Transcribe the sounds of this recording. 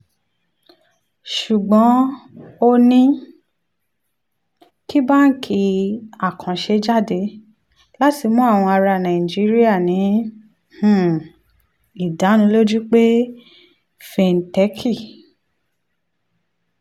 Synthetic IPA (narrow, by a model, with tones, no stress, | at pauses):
ʃu˨ɡ͡bɔ̃˨˦o˧nĩ˦ | ki˦ba˦˨n̩˦kʰi˧a˨kʰã˨ʃe˧d͡ʒa˦˨de˧ | la˦ti˧mũ˦a˦˨w̃ɔ̃˧a˧ɾa˧˨nã˨i˨d͡ʒi˨˦ɾi˦a˦˨nĩ˨˦ | h̩˦˨ | i˨da˨˦nũ˧˦lo˦d͡ʒu˦k͡pe˦ | fe˨n̩˨tɛ˦kʰi˦˨